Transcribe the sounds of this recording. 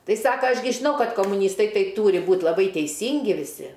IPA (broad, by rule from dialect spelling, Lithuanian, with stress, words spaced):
ˈtɐɪ ˈsɑːkɐ ˈɐʃ ɡʲɪ ʒʲɪˈnɐʊ ˈkɐt koːmʊˈnʲiːstɐɪ ˈtɐɪ ˈtuːrʲɪ ˈbuːtʲ lˠɐˈbɐɪ tʲɛɪˈsʲiːŋʲɡʲɪ ʋʲɪˈsʲɪ